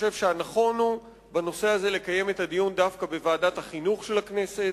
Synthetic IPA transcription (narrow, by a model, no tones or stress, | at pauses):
ʃe̞vʃeanaχo̞nhu | bano̞se̞aze̞le̞kaje̞me̞tadijundafkabe̞vaːdathaχinuχʃe̞lakne̞se̞